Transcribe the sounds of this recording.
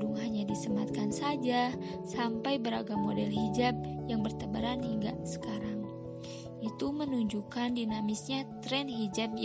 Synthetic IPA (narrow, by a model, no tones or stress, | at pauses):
uŋɦaɲadisəmat̪̚kansad͡ʒa | sampajbəɾa̰ɡamodɛlhid͡ʒab̚jaŋbərt̪abaɾanhiŋɡa̰sə̥kaɾaŋ | ʔit̪umənuɲd͡ʒukandinamisɲat̪ɾɛnɦid͡ʒab̚j